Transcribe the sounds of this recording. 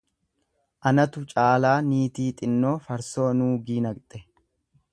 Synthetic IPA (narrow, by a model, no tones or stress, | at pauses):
ʔɐnɐt̪ʊt͡ʃʼaːlaːniːt̪iːt̪ʼɪnːo̞ːfɐɾso̞ːnuːɡiːnɐkt̪ʼɛ